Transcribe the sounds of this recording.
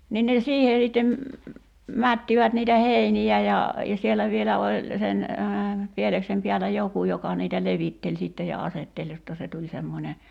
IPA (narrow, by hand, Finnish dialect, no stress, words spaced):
nin ne siːhe sitːem mætːiʋæt niːtæ heiniæ jɑ jɑ sielæ ʋielæ olʲ sen pieleksem piælæ joku jokɑ niːtæ leʋitːelʲ siˑtːe jɑ ɑsetːelʲ jotːɑ se tulʲ semːonʲe